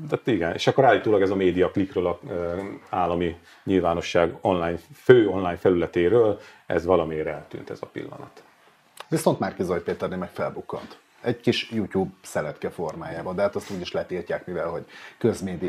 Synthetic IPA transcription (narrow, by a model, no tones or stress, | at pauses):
d̪at̪iɡɛnḛːʃɒkːoɾaːlːiːt̪oːlɒɡɛzɒmeːd̪ijɒklikrøːlɒ | aːlːɒmi | ɲilvaːno̞ʃːaːɡo̞nlaːjɲføːo̞nlaːjɲfɛlylɛt̪eːɾøːl | ɛ̰zʋɒlɒmeːɾɛlt̪y̰ːnt̪ɛ̰zɒpḭlːɒ̰nɒt̪ | viso̞nt̪markizojpeːt̪ɛrnemɛkfɛlbukːo̰nt̪ | ɛɟkiʃjuːcuːbsɛlɛt̪kɛfo̞rmaːjaːbɒnd̪ɛɦaːt̪ɒst̪uːɟiʃlɛt̪iːrcaːkmivɛlho̞ɟkøzmeːd̪i